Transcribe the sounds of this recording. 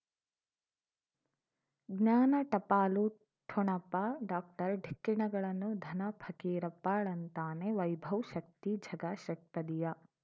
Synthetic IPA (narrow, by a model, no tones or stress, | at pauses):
ɡɲaːnɐʈɐpaːlu | ʈʰoɳɐpːaɖaːk̚ʈɐɾɖʱikːiɳɐɡɐɭɐnːud̪ʱɐnɐpʰɐkiːɾɐpːaːɭɐnt̪aːneʋɐjbʱɐʋʃɐk̚t̪id͡ʒʱɐɡaːʃɐkp̪ɐd̪ijɐ